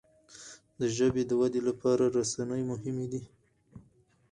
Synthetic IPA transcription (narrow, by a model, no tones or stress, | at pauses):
d̪əʒəbed̪əwad̪elapʰɑɾaɾasanəjmʊɦɪmed̪i